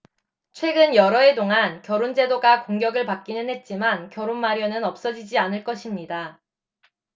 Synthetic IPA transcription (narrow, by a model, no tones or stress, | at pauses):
t͡ɕʰwe̞ɡɯnjʌɾʌe̞toŋankjʌɾond͡ʑe̞doɡakoŋɡjʌɡɯɭpak͈inɯnɦe̞t̚t͡ɕ͈imankjʌɾonmaɾjʌnɯnʌp̚s͈ʌd͡ʑid͡ʑianɯɭk͈ʌɕʰimɲida